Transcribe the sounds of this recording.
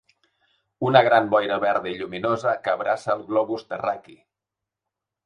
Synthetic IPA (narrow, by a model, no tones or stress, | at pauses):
unəɣɾambɔjɾəβɛɾðəiʎuminozəkːβɾʔasəːlˠɣlɔβuzt̪əraki